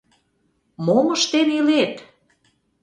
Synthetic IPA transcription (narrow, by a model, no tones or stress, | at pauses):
moməʃt̪enilet̪